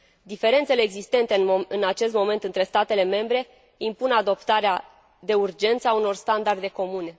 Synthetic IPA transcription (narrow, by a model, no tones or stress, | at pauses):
d̪ife̞ɾe̞nt̪se̞leːɡzist̪e̞nt̪eɨnat͡ʃe̞st̪mo̞me̞nt̪ɨnt̪ɾe̞st̪at̪e̞le̞me̞mbɾe̞ | impunad̪o̞pt̪aɾea | d̪e̞urd͡ʒe̞nt̪sauno̞rst̪and̪ard̪e̞ko̞mune̞